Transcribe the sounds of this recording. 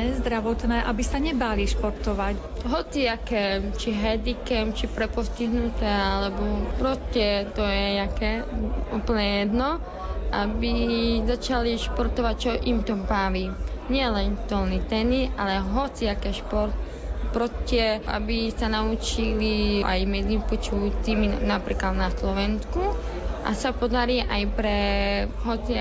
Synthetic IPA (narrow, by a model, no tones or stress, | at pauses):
ɛzd̪ɾaʋɔt̪nɛːʔabisaɲɛbaliʃpɔɾt̪ɔʋac | ɦɔt͡siakɛːt͡ʃiɦɛd̪ikɛmt͡ʃipɾɛpɔsciɦnut̪ɛːalɛbɔpɾɔst̪ɛt̪ɔjɛɲakɛuːpl̩ɲɛjɛd̪nɔ | ʔabizat͡ʃaliʃpɔɾt̪ɔʋac̚t͡ʃɔʔimt̪ɔbaʋiːɲɪɛlɛnt̪ɔlnit̪ɛniʔalɛɦɔt͡siakɛʃpɔɾt̪̚ | pɾɔstɪɛʔa̰bisanaut͡ʃiliʔa̰jmɛd͡zipɔt͡ʃut͡siminapɾḭːklad̪naslɔʋɛnsku | ʔa̰sapɔd̪aɾiʔajpɾɛɦɔt͡si